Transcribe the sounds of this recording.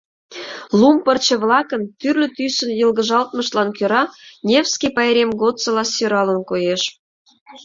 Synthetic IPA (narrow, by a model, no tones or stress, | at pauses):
lumpərt͡ɕə̆βlɑkə̆nt̪yrlʲø̆t̪ysə̆njəlɣə̆ʒɑlt̪məʃlɑnkʲøɾɑnʲefskʲipɑjɾʲemɡot̪t͡sə̆lɑsøɾɑlənkojeʃ